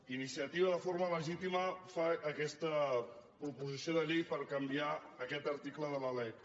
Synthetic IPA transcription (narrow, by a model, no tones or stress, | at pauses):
inisiət̪iβəðəfoɾmələʒit̪iməfaːkɛst̪əpɾupuzisioðəʎejpəɾkəmbiaəkɛt̪əɾt̪ikləðələlɛj